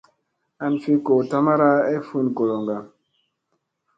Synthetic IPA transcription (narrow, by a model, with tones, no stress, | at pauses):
a˦nfi˦ko˨ta˦ma˦ɾa˦e˦fu˦nko˨lo˨ŋɡa˨m